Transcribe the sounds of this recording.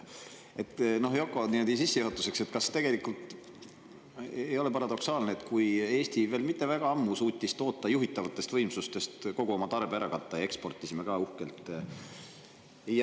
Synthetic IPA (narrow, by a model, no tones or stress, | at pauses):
e̞t̪ːno̞hjo̞kːˑo̞niːmod̪ʲisisːejuɦhɑt̪ːˑu̥se̞kse̞t̪kɑst̪e̞ɡ̥e̞likːˑult̪ | jo̞le̞pɑɾɑd̪o̞ksɑːlneet̪kuje̞ːst̪ive̞ːlmit̪ˑːe̞væɡ̥ɑɑmːusuːt̪ʲːist̪o̞ːt̪ˑːɑjuɦit̪ːˑɑvɑt̪ːˑe̞st̪vɤ̞jmsust̪e̞st̪ko̞ɡ̥uo̞mɑt̪ɑrbeæɾɑkɑt̪ˑːɑjɑe̞kspo̞rt̪ːˑisime̞kɑːuhkelt̪ˑ